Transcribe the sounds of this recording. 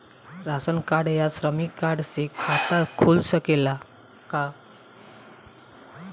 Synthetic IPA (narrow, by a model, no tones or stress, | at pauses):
ɾasənkaɽjasɾəmikːaɽsekʰat̪akʰulɕəkela | ka